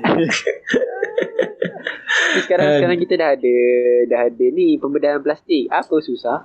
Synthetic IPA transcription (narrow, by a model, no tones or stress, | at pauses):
əkaɾaŋsəkaɾaŋkit̪adaɦadədaɦadənipəmbədaɾanplast̪ɪk̚apəsusah